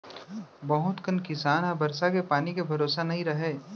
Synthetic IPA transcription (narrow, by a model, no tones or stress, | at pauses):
bɐɦʊt̪kɐnkɪsaːnabɐɾsakepaːnikebʱɐɾoːsanɐɦĩɾɐɦeː